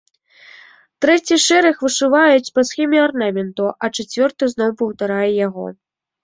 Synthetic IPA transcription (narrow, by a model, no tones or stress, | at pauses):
t̪ɾɛt͡sʲiʂɛɾɐxvɨʂɨvajut͡sʲpɐsxʲɛmʲiarnamʲɛnt̪uʔɐt͡ʂat͡sʲvʲɔrt̪ɨznɔwpɐwt̪aɾajɛjaɣɔ̰